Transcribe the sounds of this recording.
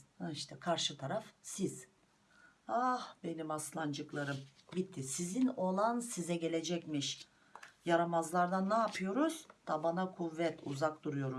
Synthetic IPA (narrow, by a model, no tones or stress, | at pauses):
iʃt̪ʰɛkʰaɾʃɯt̪ʰaɾafsiz̥ | ahbe̞nimaslˠand͡ʒɯklˠaɾɯmbit̪ʰːisizino̞lˠansizɛɟe̞lʲed͡ʒɛcmiʃ | jaɾamazlˠaɾd̪anːaːpʰɯjo̞ɾuz̥d̪̥abanakʰuvːɛt̪ʰuzak̚d̪uɾujo̞ɾu